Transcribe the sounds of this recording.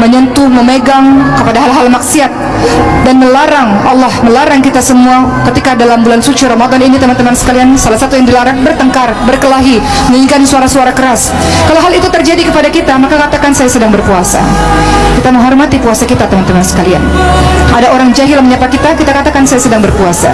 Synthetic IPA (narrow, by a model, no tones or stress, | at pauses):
məɲənt̪uməmeɡaŋkəpadaɦalɦalmaksiat̪̚ | danməlaɾaŋalːɔhməlaɾaŋkit̪asəmuakət̪ikadalambulansut͡ʃuɾamad̪ɔninit̪əmant̪əmansə̥kaliansalahsat̪ujaŋdilaɾaŋbərt̪əŋkarbərkəlaɦiməiŋkansuaɾasuaɾakəɾas | kalowɦalit̪ut̪ərd͡ʒadikəpadakit̪amakakat̪akansajasədaŋbərpuasa̰kit̪aməŋɦɔrmat̪ipuasakit̪at̪əmant̪əmansə̥kalia̰nʔadaoɾaŋd͡ʒaɦɪlməɲapakit̪akit̪akat̪akansajasədaŋbərpuasa̰